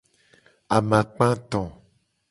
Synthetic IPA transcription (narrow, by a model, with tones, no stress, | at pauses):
a˨mã˨k͡pã˦t̪ɔ̃˨